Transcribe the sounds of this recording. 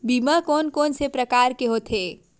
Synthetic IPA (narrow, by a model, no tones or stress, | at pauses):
biːmakɔːnkoːnsepɾəkaːɾkeɦot̪ʰeː